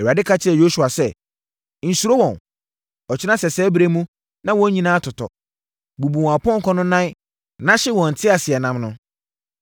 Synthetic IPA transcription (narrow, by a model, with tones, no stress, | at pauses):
ɛ˨wa˨dɪ˦kʰa˦t͡ɕʰɪ˦ɛ˨jo˦su˨a˨sɛ˦ | n̩˨su˨˦ɾo˦wɔ̃˨n | ɔ˨t͡ɕʰɪ˦nã˦sɛ˨sɛː˦bɾe˦mũ˦ | nã˦wɔ̃˦ɲĩ˦nãː˦tʰʊ˨tʰɔ̰˨ | bu˨bu˨w̃a˨pɔ̃˦ŋ̩˨kʰɔ̃˦nʊ̃˦nã˦ | nã˦ɕɪ˦wɔ̃˨n̩˨tʰɪ˦a˨sɪ˨ɛ˨nã˦mnʊ̃˦